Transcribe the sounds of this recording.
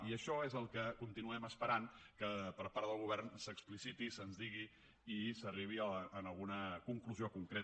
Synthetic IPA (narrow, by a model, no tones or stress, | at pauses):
iəʃɔezəlˠkəkunt̪inuɛməspəɾaŋkəpəɾpaɾðəlˠɣuβɛrnsəksplisit̪isənzðiɣiː | səriβ̞iəənəlˠɣunəkuŋkluziokuŋkɾe